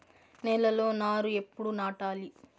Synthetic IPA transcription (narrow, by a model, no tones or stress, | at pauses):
nɛlɐlo̞ːnaːɾue̞pːuɽunaːʈaːli